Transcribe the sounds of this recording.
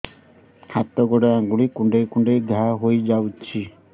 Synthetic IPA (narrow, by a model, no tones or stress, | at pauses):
hat̪ːɔɡɔɽaaɡuɽikuɳɖekuɳɖed̪ʱaɦojd͡ʒawt͡ʃʰi